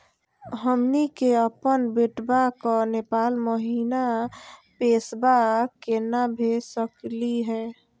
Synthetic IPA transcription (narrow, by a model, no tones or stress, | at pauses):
ɦəmnikeəpənbeʈbakɔnepaːlməɦiːnapesbakenabʱesəkliɦɛː